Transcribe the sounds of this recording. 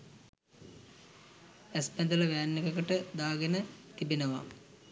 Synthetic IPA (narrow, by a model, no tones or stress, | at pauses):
espend̪ɐlɐʋæːnːikɐkəʈəd̪aːɡenət̪ibinəʋa̰